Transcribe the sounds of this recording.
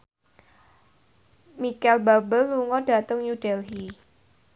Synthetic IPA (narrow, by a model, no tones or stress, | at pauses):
mikɛlbabəlːuŋɔd̥at̪əŋjud̥ɛlɦi